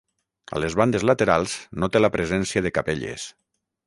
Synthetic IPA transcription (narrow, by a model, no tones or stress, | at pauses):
a̰lezβand̪ezlat̪eɾalˠznot̪elapɾʔezɛnsiaðekapeʎḛs